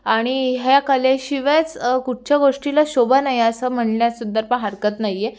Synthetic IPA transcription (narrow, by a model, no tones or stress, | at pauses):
aɽ̃iɦjakəleɕiʋet͡skuʈ̚t͡ɕjaɡoʂʈilaɕobanajeəsəm̤əɳɳjasud̪ʱːəɾpəɳɦəɾkət̪naje